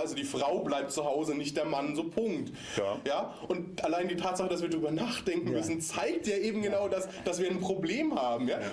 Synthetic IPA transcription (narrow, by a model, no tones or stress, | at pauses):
ʔalzodiːfʁ̥aʊblaɪp̚tt͡suhaʊzənɪçt̚d̥eːɐmanzoːpʰʊŋkt | jaː | ʔʊntʔalaɪndiːtʰaːtz̥aχəd̥as̬viːɐdʁyːbɐnaːχd̥ɛŋkŋ̩mʏsn̩t͡saɪk̚tjaːʔeːbm̩ɡənaʊdasd̥asviːɐanpʁ̥obleːmhaːbm̩jaː